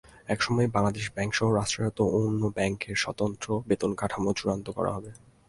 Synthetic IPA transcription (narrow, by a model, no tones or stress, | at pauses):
ɛkʃɔmɔebaŋlad̪eʃbɛŋkʃɔɦoɾaʃʈɾaot̪oonːobɛŋkeɾʃɔt̪ont̪ɾobet̪onkaʈʰamot͡ɕuɾant̪okɔ̰ɾa̰ɦɔbe